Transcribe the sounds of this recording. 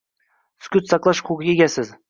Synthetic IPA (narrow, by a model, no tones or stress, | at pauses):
skʲʊt̪sɑqlˠɑʃqʰuɡɡʲeɡʲasɪz